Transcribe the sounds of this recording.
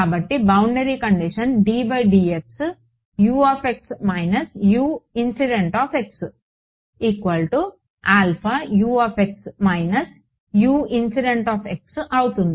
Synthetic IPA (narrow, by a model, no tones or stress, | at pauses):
kaːbɐʈːibɐwɳɖɐɾiːkɐɳɖiʂɐnɖiːbɐjɖiːeks | juːaːpeksmɐjnɐsjuːinsiɖeɳʈaːpeks | iːkʋɐlʈu | aːlpʰajuːaːpeksmɐjnɐs | juːinsiɖeɳʈaːpʰeksɐwut̪und̪i